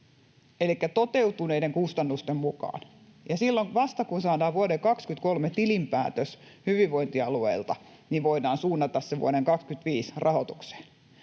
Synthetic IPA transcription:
elikːæt̪ot̪eut̪uneideŋkust̪ɑnːust̪emmukɑ̰ːn | jɑsilːoŋʋɑst̪ɑkunsɑːdɑːʋʋuodekɑkskyt̪kolmet̪ilimpæ̰ːt̪øshyʋiʋʋoint̪iɑluḛilt̪ɑ | niʋʋoidɑːnsuːnːɑt̪ɑsseʋṵoɾeŋkɑkskyt̪ʋiːsrʔɑhot̪u̥kse̥ːn

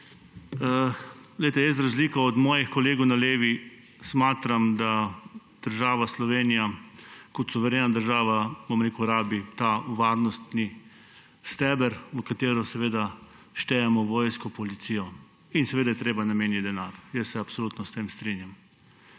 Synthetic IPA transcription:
əɡljt̪ɛjɛst̪ɾazliːkaɔd̪mɔːjixkɔleːɡɔwnaleːʋi | smaːt̪ɾamd̪a | d̪̥əɾʒaːʋaslɔʋeːnijakɔt̪suʋɛɾeːnad̪əɾʒaːʋabomɾeːkuɾaːbit̪aʋaɾnɔst̪ni | st̪ɛːbɛɾʋəkat̪eːɾɔsɛʋeːd̪a | ʃt̪ɛjɛmɔʋɔːjskɔpɔlit̪siːjɔ | insɛʋeːd̪ajɛt̪ɾeːbanameːnjit̪d̪ɛnaːɾjɛsːɛapsoluːt̪nɔst̪eːmst̪ɾinjam

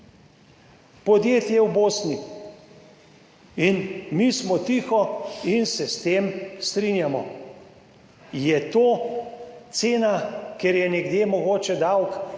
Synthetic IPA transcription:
pɔd̪jeːt̪jɛwboːsni | inmismɔt̪iːxɔinsɛst̪eːmst̪ɾinjamɔ̰ | jɛt̪oː | t̪seːnakeɾjɛnɛɡd̪jemɔɡoːt͡ʃɛd̪awk

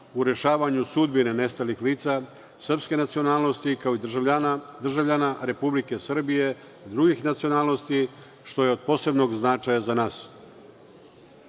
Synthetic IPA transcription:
uɾe̞ʃaːʋaɲusud̪bine̞ne̞st̪alixliːt̪sa | srpske̞nat̪sio̞naːlˠno̞st̪ikaoid̪rd̪r̩ʒaʋʎanaɾe̞publike̞sr̩bije̞ | d̪ɾuɡixnat̪sio̞naːlˠno̞st̪i | ʃt̪o̞jeo̞d̪̚po̞se̞bno̞ɡznat͡ʂajazanaːs

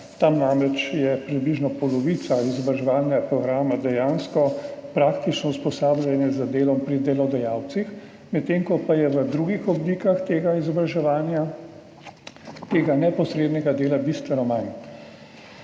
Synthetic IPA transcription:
t̪amnamɾɛt͡ʃjɛpɾibliʒnɔpɔlɔʋit̪saizɔbɾaʒɛʋaːlnɛɡapɾɔɡɾaːmad̪ɛjaːnskɔpɾaːkt̪it͡ʃnɔuspɔsaːblʲjanjɛzad̪eːlɔmpɾid̪ɛlɔd̪ɛjaːwt̪six | mɛt̪ːeːŋkɔpajɛʋəd̪ɾuɡixɔblikaxt̪eːɡaizɔbɾaʒɛʋaːnja | t̪eːɡanɛpɔsɾeːd̪nɛɡad̪eːlabist̪ʋɛnɔman

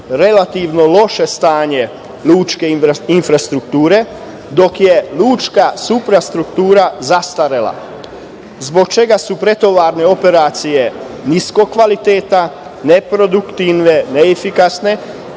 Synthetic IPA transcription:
ɾe̞lat̪iʋnolo̞ʃe̞st̪aːɲe̞ | luːt͡ʃke̞infɾast̪ɾukt̪uːɾe̞ | d̪o̞kjeluːt͡ʃkasupɾast̪ɾukt̪uːɾazast̪aɾela̰ | zbo̞kt͡ʃe̞ɡasupɾe̞t̪o̞ʋaɾne̞o̞pe̞ɾaːt̪sije | nisko̞kːʋalit̪eːt̪a | ne̞pɾo̞d̪ukt̪iʋneneːfikasne̞

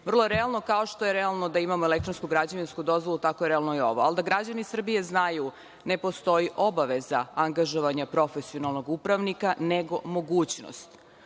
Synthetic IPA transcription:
vr̩lˠojeɾɛalˠno̞kaoʃt̪o̞je̞ɾealˠno̞d̪aimamoelekt̪ɾonskuɡɾad͡ʑaʋinskud̪o̞zʋolˠut̪akojeɾɛalˠnoio̞̰ʋoald̪aɡɾad͡ʑanisr̩bije̞znaju | ne̞po̞st̪o̞iʔo̞baʋezaaŋɡaʒoʋaɲapɾo̞fe̞sio̞nalˠno̞ɡupɾaʋnikaneɡo̞̰mo̞ɡuːt͡ɕno̰st̪

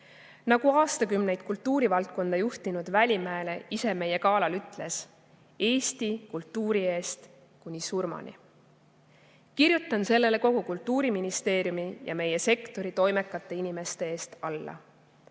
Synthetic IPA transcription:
nɑɡ̥uɑːst̪ɑkymne̞jd̪̥̚kult̪ˑːuːɾivɑlt̪̚ko̞nd̪̥ɑjuht̪inud̪vælʲimæele̞ise̞me̞je̞kɑːlɑlyt̪ːˑle̞s | e̞ːst̪ikult̪ːuːɾie̞ːst̪ | kunʲisurmɑ̰nʲḭ | kirjut̪ːˑɑnse̞lːe̞le̞ko̞ɡ̥ukult̪ːˑuːɾiminist̪e̞ːɾjumijɑ̰me̞je̞se̞kt̪o̞ɾit̪o̞jme̞kːˑɑt̪ːˑeinime̞st̪e̞e̞ːst̪ɑlːɑ̰

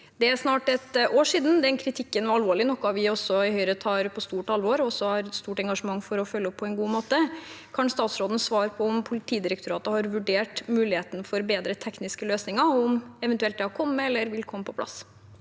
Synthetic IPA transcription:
d̪ɛæɾʂnɑːʈɛt̪oːʂiːd̪n̩d̪ɛnkʰɾɪt̪ʰɪkːənʋɑɾɑlʋoːɭɪnɔkːʊɑʋɪɔsːɔɪhœʏɾət̪ʰɑːɾpʰɔst̪uːʈɑlʋɔɾɔsɔhɑɾst̪uːʈɛŋɡɑʂəmɑŋːfɔɾɔfœlːəɔpʰːɔɛnɡuːmoːt̪əkʰɑnst̪ɑːt̪sɾoːd̪nəsʋɑːɾpʰɔɔmpʰʊlɪt̪ʰiːd̪ɪɾəkt̪ʊɾɑːt̪əhɑɾʋʉɖeːʈmʉːlɪheːt̪ənfɔɾbeːd̪ɾət̪ʰɛknɪskəløːsnɪŋɑɔmɛʋɛnt̪ʉɛlt̪d̪ɛhɑɾkʰɔmːəɛlːəɾʋɪlkʰɔmːəpʰɔ̥pʰlɑ̰s

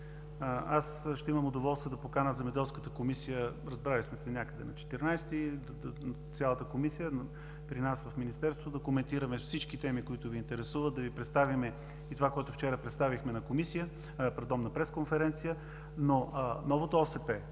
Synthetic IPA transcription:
asʃt̪ɛiməmod̪ovɔlˠst̪vəd̪ɐpokanəzɛmɛd̪ɛlˠskət̪əkomisijəɾɐzbɾalismɛsɛnʲakəd̪ɛnɐt͡ʃɛ̥t̪ɛɾnajst̪id̪t̪sʲjalˠət̪əkomisijən | pɾinasvɐfminist̪ɛɾst̪vod̪ɐkomɛnt̪iɾəmɛfsit͡ʃkit̪ɛmikoit̪ʊviːnt̪ɛɾɛsuvəd̪ɐvipɾɛt̪st̪avimɛ | it̪ovakoɛt̪ʊft͡ʃɛɾəpɾɛt̪st̪avixmɛnɐkomisijə | pɾɛd̪ɔmnɐpɾɛskonfɛɾɛnt̪sijə | nonɔvot̪oɔsɛpɛ

